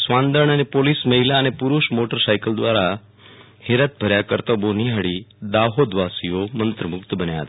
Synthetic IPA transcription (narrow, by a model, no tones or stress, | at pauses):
sʋãnd̪əɾɳ̃ənepolisməɦilaənepuɾuʃmoʈəɾsajkəld̪ʋaɾa | heɾət̪̚bʱəɾjakəɾt̪əboniɦəɽid̪aɦod̪ʋasijomənt̪ɾəmʊkt̪bənja̰t̪